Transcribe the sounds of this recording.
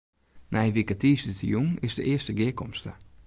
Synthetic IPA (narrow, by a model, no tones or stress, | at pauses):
nɛjʋikətiːsdətijuŋɪzdəʔɪəstəɡɪəkɔmstə